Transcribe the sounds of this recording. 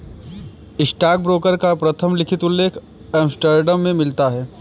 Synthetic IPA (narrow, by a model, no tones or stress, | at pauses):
ɪsʈaːk̚bɾoːkəɾkapɾɐt̪ʰəmlɪkʰɪt̪ʊlːeːkʰ | ɛːmsʈəɾɖəmːẽmɪlt̪aɦɛː